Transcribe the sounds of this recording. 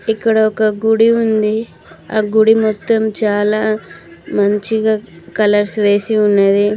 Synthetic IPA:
ikːɐɽɐɔkɐɡuɽiund̪i | a̰ːɡuɽimɔt̪ːɐmt͡ʃaːlaːmɐɲt͡ʃiɡaːkɐlɐɾsʋe̞ːsiunːɐd̪i

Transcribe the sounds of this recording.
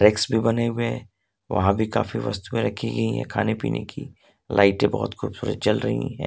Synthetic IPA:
ɾeksbʱibɐneɦʊɛ | ʋɐ̰ɦãbʱika̰ːfiʋɐ̰st̪uẽɾɐkʰiɡɐiɦɛ̰̃kʰaːnepḭːnʔḛki | lʔaːɪʈẽbɐɔːɔt̪xuːbsuːɾə̰t̪̚t͡ʃɐlɾɐɦḭ̃ɦɛ̰̃ː

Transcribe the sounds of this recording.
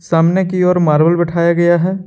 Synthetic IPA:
saːmnekiɔːɾmaːɾʋəlbɐʈʰaːjaɡɐjaɦɛː

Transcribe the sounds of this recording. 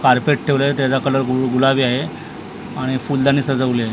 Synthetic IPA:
kaɾpeʈ̚ʈʰeʋlət̪jat͡sakələɾɡuɡulabiːaɦe | aɽ̃ifuld̪añiːsəd͡zəʋle

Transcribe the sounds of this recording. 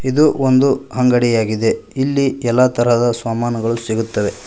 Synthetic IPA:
id̪uond̪uɦɐŋɡɐɽijaːɡid̪e̞ilːiɛlːat̪ɐɾɐd̪ɐsʋaːmaːnɐɡɐɭusiɡut̪ːɐʋe̞

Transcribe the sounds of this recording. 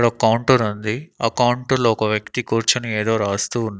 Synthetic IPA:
ɽɐkɐwɳʈɐɾund̪iɐkɐwɳʈɐloːkɐʋjɐkt̪ikuːɾt͡ʃɐnueːd̪o̞ːɾaːst̪uːnː

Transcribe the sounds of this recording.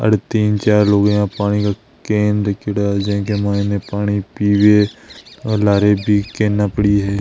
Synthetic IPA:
ə̰ɽt̪iːnt͡ʃaːɾloːɡjãpaːɽ̃ika | keːnɾekɪɽad͡ʒẽːkemaːɪnepaːɽ̃ipiːwe | laːɾebʱikẽːnːaːpəɽiɦɛː

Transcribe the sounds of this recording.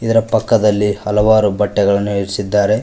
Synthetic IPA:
id̪ɐɾɐpɐkːɐd̪ɐlːihɐlɐʋaːɾubɐʈːɛɡɐɭɐnːuiɾisid̪ːaːɾe̞

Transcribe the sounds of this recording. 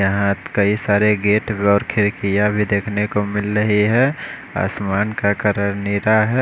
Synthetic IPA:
jɐɦãt̪kəisaːɾeɡeːʈbeɔːɾkʰɪɾkijabʱid̪eːkʰnekomɪlɾəɦiɦɛ | a̰ːsmaːnkakəɾəɾniɾaɦɛ

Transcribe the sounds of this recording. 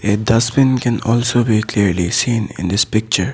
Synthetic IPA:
edʌsbɪ̃nkɛ̃nɔːlsoːbikliɾlisĩːnɪ̰̃nd̪ɪspɪk̚t͡ʃəɾ

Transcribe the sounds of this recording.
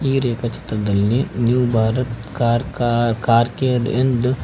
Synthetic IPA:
iːɾeːkɐt͡ʃɐ̥t̪ɾɐd̪ɐlːinjuwbʱaːɾɐt̪kaɾkkaːɾked̪̰end̪u

